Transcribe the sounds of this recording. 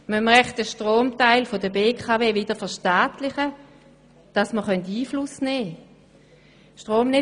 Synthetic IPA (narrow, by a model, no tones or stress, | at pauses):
məmʁɛχtəʃtʁoːmtaɪlfodəbeːkʰaveːvɪd̥əfɛɐʃtaːtlɪχə | d̥ɑsməχœntiːflʊsnɛː | ʃtʁoːmnɪ